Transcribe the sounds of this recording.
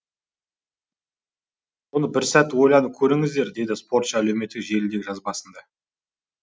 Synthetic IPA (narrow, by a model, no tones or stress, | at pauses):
bonəbɪɾsæt̪ːwo̞jlˠɑnəp̚kʲʰɵɾɪŋɪzd̪e̞ɾd̪e̞d̪ɪspʰo̞ɾt̪ʃəæle̞wme̞t̪ːɪkʒe̞lɪnd̪e̞ɡʲɪʒɑzbɑsənd̪ɑ